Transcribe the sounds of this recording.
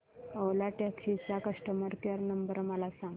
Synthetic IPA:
əʋlaʈaksit͡sakəʂʈəməɾkeɾnəmbəɾməlasãŋɡ

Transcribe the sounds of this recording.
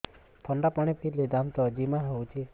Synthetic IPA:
p̪ʰɔɳɖapaɽ̃ipʰiled̪amt̪ɔd͡ʒimaɦowt͡ʃʰi

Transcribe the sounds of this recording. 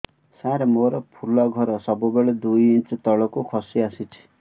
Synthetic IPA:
saɾemoɾɔpʰulɔɡʱɔɾɔsɔbubeɭed̪ujint͡ʃɔt̪ɔɭɔkukʰɔsiasit͡ʃʰi̥

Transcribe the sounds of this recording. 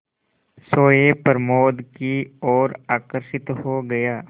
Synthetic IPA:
soːjepəɾmoːd̪kiɔːɾaːkəɾʃɪt̪hoɡɐjaː

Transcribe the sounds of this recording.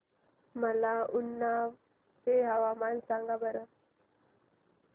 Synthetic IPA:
malaːʔunːaː | feɦaʋaːmansaŋɡabəɾə

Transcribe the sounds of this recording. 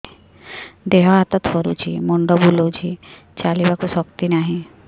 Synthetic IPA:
d̪eɦɔɦat̪ət̪fɔɾṵt͡ɕḭmɔɳɖəbulod͡ʑi | t͡ɕalibakusɔk̚t̪inaɦi

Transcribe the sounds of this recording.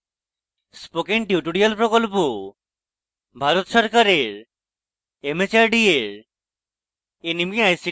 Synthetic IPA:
spokenʈjuʈoɽialpɾokolpo | bʱaɾot̪ʃɔɾkaɾeɾ | emet͡ɕaɾɖieɾ | enimiajsi

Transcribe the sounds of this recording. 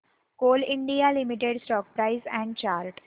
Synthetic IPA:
koːlɪ̃ɳɖijalɪmiʈeɖsʈɔːk̚pɾaɪzɛ̃ːɳɖt͡ʃaːɾʈ

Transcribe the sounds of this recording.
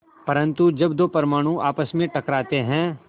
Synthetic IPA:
pɐɾə̃nt̪ud͡ʒɐbd̪oːpɐɾmaːɽ̃ũʔaːpəsmẽʈɐkɾaːt̪eɦɛ̃ː

